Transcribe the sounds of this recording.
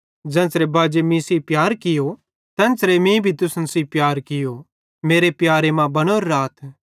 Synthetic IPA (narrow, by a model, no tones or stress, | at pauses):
d͡ʒɛ̃ːnsɾebaːd͡ʒemĩsipjaːɾkɪjo | t̪ɛ̃ːnsɾemĩbʱit̪ʊsnsipjaːɾkɪjo | meːɾepjaːɾemãbɐñoɾːaːt̪ʰ